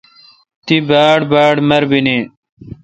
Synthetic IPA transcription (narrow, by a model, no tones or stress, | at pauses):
t̪ibaːɽbaːɖmɐɾbini